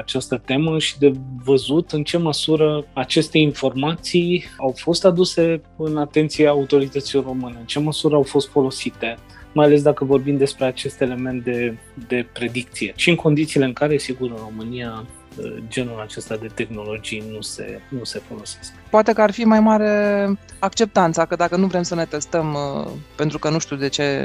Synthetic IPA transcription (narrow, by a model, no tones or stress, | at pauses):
at͡ʃast̪ət̪e̞məʃid̪e̞vəzut̪ɨnt͡ʃe̞məsuɾəat͡ʃe̞st̪e̞info̞rmat̪sijawfo̞st̪ad̪use̞ɨnat̪e̞nt̪sijaːut̪o̞ɾit̪ət̪siloro̞mɨne̞ɨnt͡ʃe̞məsuɾəawfo̞st̪fo̞lo̞sit̪e̞ | majale̞s̬d̪akəvo̞rbimd̪e̞spɾeat͡ʃe̞st̪e̞le̞me̞nt̪̚d̪e̞ | d̪e̞pɾe̞d̪ik̚t̪sije̞ʃiɨŋko̞nd̪it̪siːleɨŋkaɾe̞siɡuɾɨro̞mɨnija | ə̰d͡ʒe̞nulat͡ʃe̞st̪ad̪e̞t̪e̞xno̞lo̞d͡ʒijnuse̞̰nuse̞fo̞lo̞se̞skpoat̪e̞kəarfimajmaɾe̞akt͡ʃe̞p̚t̪ant̪sakəd̪akənuvɾe̞msəne̞t̪e̞st̪əmpent̪ɾukənuʃt̪ud̪e̞t͡ʃe̞